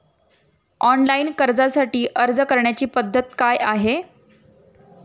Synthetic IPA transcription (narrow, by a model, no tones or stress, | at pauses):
ɔnlainkəɾd͡zasaʈiːʔəɾd͡zəkəɾɳjat͡ɕiːpəd̪ʱːət̪̚kajʔaɦe